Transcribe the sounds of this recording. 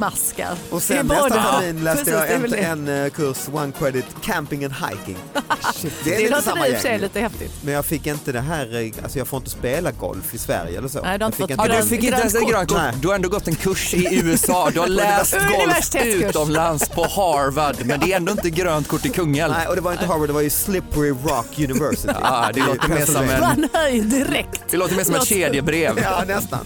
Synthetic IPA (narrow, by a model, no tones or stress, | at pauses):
maskə̰ɾɔsɛnb̪ɛsd̪amiːnlɛːst̪əjɑɛɛnkʰɵʂwankʰɾɛd̪ɪt̪kʰæmpɪŋɛnha̰jkɪ̰ŋ | d̪ɛɾiəsamːajɛ̰ɛjliːt̪əhɛft̪ɪ̰t̪mɛnjɑːɡfɪkːɪnt̪əd̪ɛɦæːɾa̰lsɔjɑːɡfoːɾɪnt̪əspeːlaɡɔ̰lfɪsvæ̰ɾjə̰ɛlːəso̰ːnd̪hafɪːɪnd̪ɵfɪkːɪnɛnsɛt̪ɡɾøːnkʰʊd̪ɵhaɾɛnd̪oːɡɔt̪ːɛnkʰɵʂɪʉ̟ːɛsɑːd̪ɵhalæːst̪ɡɔlftʰːʉ̟ːt̪ɔmlanspʰɔhɑɾvad̪mɛnd̪ɛɛnd̪oːɪnt̪əɡɾøːnt̪̚kʰʊʈːɪkʰɵŋːəlɔd̪ɛvaɾjɪnt̪əɦɑːɾvaɖd̪ɛvaɾjʉslɪpəɾɪɾɑkʰjʉnɪvɛsɪ̰d̪ɛoːt̪əmeːɔmɛɛd̪ɪɾɛk̪d̪ɛloːt̪əɾmeːsɔmɛt̪ʃeːd̪ɪəbɾeːvnɛst̪a̰n